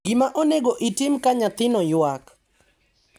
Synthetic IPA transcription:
ɡɪmaʔoneɡoʔitɪmkaɲat̪ɪnɔjwak

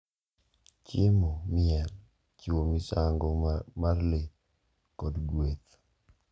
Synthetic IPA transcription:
t͡ʃɪmomɪɛl | t͡ʃiwomɪsaŋɡɔmarle | kɔdɡwet̪

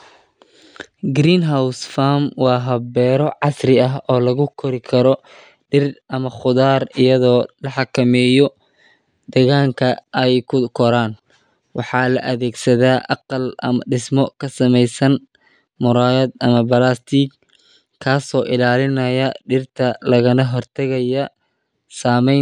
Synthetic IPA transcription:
ɡɾiːnɦawsfaːmwɑːɦɐbɛːɾɔʕɑsrɪɐɦɔːlɐɣʊkʰɔɾɪkʰɐɾɔ | ɖɪrʔɐmɐχʊðaːrɪjɐðɔːlɐħɑkʰɐmɛːjɔ | d̪̥ɐɣaːŋkʰɐʔɛjkʰʊkʰɔɾaːn | wɑħɑːlɐʔɐðɛːɡsɐðaːʔɑqɑlʔɐ̰mɐɖɪsmɔkʰɐsɐmɛjsɐn | mʊɾaːjɐd̪ɐmɐbɐlast̪ʰik | kʰːaːsɔːʔɪlaːlɪnɐjɐɖɪrt̪ʰɐlɐɣɐnɐɦɔrt̪ʰɐɣɐjɐ | saːmɛj

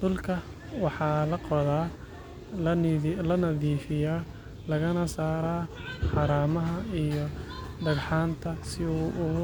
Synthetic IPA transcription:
d̪̥ʊlkʰɐ | wɑħɑːlɐqɔðaː | lɐnɐðiːfɪjaː | lɐɣɐnɐsaːɾaːħɑɾaːmɐɦɐijɔɖɐɣħaːnt̪ʰɐsɪuːʔʊ

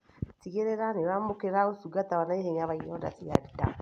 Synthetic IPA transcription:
tiɣeɾeɾaneɾamokeɾaosuɡat̪aβanaeheɲaβaiɔda̰siaɾita̰

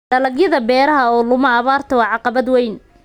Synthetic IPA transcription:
ɖɐlɐɡjɐðɐbɛːɾɐɦɐɔːlʊmɐːβaːrt̪ʰɐwɑːʕɑqɑβɐd̪wɛjn

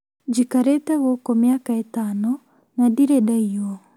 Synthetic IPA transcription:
d͡ʒikaɾetɛɣokɔmjakaetaːnɔ | nadiɾedaiɔ

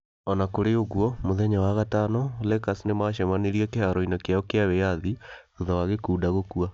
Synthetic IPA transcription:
ɔnakoɾeoɣuɔmoðɛɲawaɣatanɔlɛkasnemaʃɛmaniɾiɛkeaɾɔinakeajɔkeaβɛjaðioðɔwaɣekuːdaɣokua

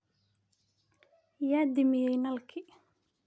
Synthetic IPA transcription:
jaːd̪ɪmɪjɛjnɐlkʰɪ

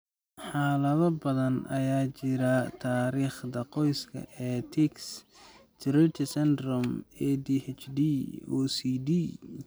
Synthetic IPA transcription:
ħɑːlɐðɐbɐðɐnʔɐ̰jaːt͡ʃɪɾɐt̪ʰaːɾiːχd̪ɐqɔjskʰɐ̰ʔɛt̪ʰɪks | t̪ɾɛt̪ʰɪsɛnd̪ɾɔmɛːd̪ihɛt͡ʃdiɔːsiːdi

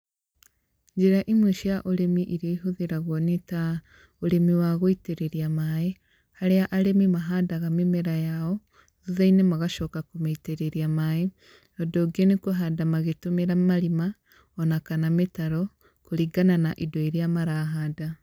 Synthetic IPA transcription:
ɲd͡ʒiɾaʔimuʃiaʔoɾemiʔiɾioiɦuðiɾaɣwonita | oɾemiwaɣoiteɾeɾiamaje | haɾeaʔaɾemimaɦadaɣamemeɾajao | ðuðainemaɣaʃokakumaiteɾeɾiamaje | odoɡenekoɦadamaɣetumeɾamaɾima | onakanametaɾo | koɾiɡananaʔidoiɾjamaɾaɦada

